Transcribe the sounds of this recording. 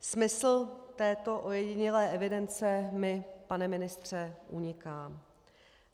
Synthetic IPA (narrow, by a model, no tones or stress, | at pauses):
smɪsl̩t̪ɛːt̪o̞ʔo̞jɛɟɪɲɪlɛːʔɛvɪdɛnt͡sɛmɪpanɛmɪnɪst̪r̝̥ɛʔuɲɪkaːm